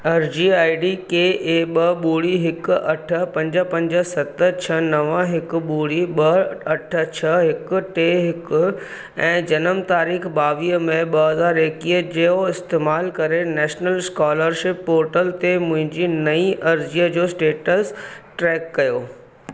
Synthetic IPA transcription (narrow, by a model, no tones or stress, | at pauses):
ɐɾd͡ʑiaːiɖikeʔeːɓɐɓuːɽiɦɪkʊɐʈʰə̆pɐ̃ɲd͡ʑəpɐ̃ɲd͡ʑəsɐt̪ət͡ɕʰɐnɐʋəɦɪkʊ̆ɓuːɽiɓɐɐʈʰə̆t͡ɕʰɐɦɪk̆ʈeːɦɪkʊ̆ | ɛ̃ːd͡ʑɐnəmt̪aːɾiːxbaːʋiːəmẽɓɐɦɐzaːɾeːkiːəd͡ʑeːoɪst̪eːmaːlkɐɾenɛːʃnəlskaːləɾʃɪpːoːɾʈəlt̪emʊ̃ɦɪ̃ɲd͡ʑinɐĩʔɐɾd͡ʑiːəd͡ʑoːsʈeːʈəsʈɾɛːkːɐjoː